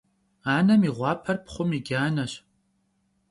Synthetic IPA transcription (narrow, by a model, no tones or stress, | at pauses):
aːnɐmiʁʷɑːpʰɐrpχʷʊmiɡʲaːnɐɕ